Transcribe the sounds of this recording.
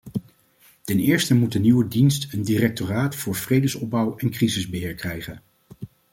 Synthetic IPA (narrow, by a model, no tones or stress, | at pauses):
tɛnɪːɹstəmut̚dəniwədinstəndirɛk̚toraːtfʊːɹv̥rejdəsɔb̚bʌwɛnkrizɪzbəɦɪːɹkrɛjχən